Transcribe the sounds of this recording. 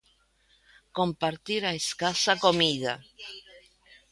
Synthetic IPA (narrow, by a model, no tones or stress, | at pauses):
kompaɾt̪iɾaeskasakomiða̰